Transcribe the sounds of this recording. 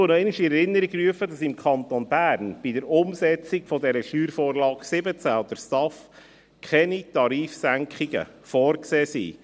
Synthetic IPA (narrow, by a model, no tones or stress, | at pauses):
onɔɛniʃiɛɾɪnːəɾiɡryəfədɑsɪmkʰɑnt̪onbæːɾnb̥idəɾʊmsɛt͡sikfɔdɛɾəʃyːɾfoːɾlɑːksɪbət͡sæɔd̪əɾstɑf | kʰɛnitɑɾiːfsæŋkχiɡə̰fɔːrkseːsḭː